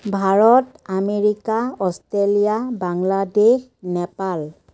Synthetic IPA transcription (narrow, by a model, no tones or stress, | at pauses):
bʱaɹɔtameɹikaɔstelijabaŋladex | nɛpal